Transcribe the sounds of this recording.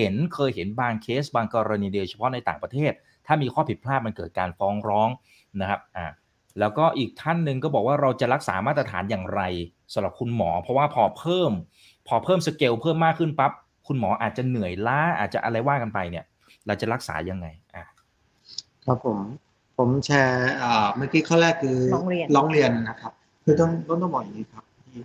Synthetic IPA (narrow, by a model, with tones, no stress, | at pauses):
he˩˦nkʰɤː˧jhe˩˦nbaː˧ŋkʰeː˦˥sbaː˧ŋkɔː˧ɾa˧niː˧diː˧t͡ɕʰa˧pʰɔ˦˥na˧jt̪aː˨˩ŋpɾa˧t̪ʰeː˥˩t̪̚ʰːaː˥˩miː˧kʰɔː˥˩pʰi˨˩t̪̚pʰlaː˥˩p̚ma˧nkɤː˨˩t̪̚kaː˧nfɔː˦˥ŋɾɔː˦˥ŋ | na˦˥kʰa˦˥p̚ʔaː˨˩ | lɛː˦˥wkɔː˥˩ʔiː˨˩k̚t̪ʰa˥˩nːɯ˨˧ŋkɔː˥˩bɔː˨˩k̚waː˥˩ɾa˧wt͡ɕa˨˩ɾa˦˥k̚sa̰ː˩˦maː˥˩t̪ɾa˧t̪ʰaː˩˦njaː˨˩ŋɾa˧j | sa˨˦mɾa˨˩p̚kʰu˧nmɔ̰ː˩˦pʰɾɔ˦˥waː˥˩pʰɔː˧pʰɤː˥˩m | pʰɔː˧pʰɤː˥˩msa˧ke˧wpʰɤː˥˩mːaː˥˩kʰːɯ˥˩npa˦˥p̚ | kʰu˧nmɔː˩˦ʔaː˨˩t̪̚t͡ɕa˨˩nɯ˨˩əjlaː˦˥ʔa̰ː˨˩t̪̚t͡ɕa̰˨˩ʔa˧ɾa˧jwaː˥˩ka˧npa˧jni˥˩ɐ | ɾa˧wt͡ɕa˨˩ɾa˦˥k̚sa̰ː˩˦ja˧ŋːa˧jʔaː˨˩ | kʰa˦˥pʰːo˩˦m | pʰo˩˦mt͡ɕʰɛː˧ʔaː˨˩maː˥˩kiː˦˥kʰɔː˥˩wɾɛː˥˩kʰːɯː˧˦ŋɾi˧nlɔː˨˦˥ŋɾi˧ənna˦˥kʰa˦˥p̚ | kʰɯː˧t̪ɔ˥˩ŋt̪ɔ˥˩ŋt̪ɔ˥˩bɔː˨˩k̚ja˨˩ŋːi˦˥kʰa˦˥p̚ʰiː˥˩